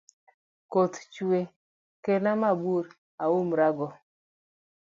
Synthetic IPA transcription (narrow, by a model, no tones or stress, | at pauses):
kot̪t͡ʃwe | kenamabuɾ | aumɾaɡɔ